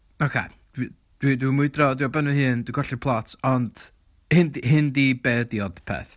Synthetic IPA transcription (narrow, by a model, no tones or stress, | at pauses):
okʰḛ | d̥wi | d̥widwimʊɨdrɔdiɔbɛnɨhɦɨːnd̥wiɡʰɔɬipʰlˠɔtʰɔnd̥ | hɨndhɨndibɛdjɔd̥pʰɛ̰θ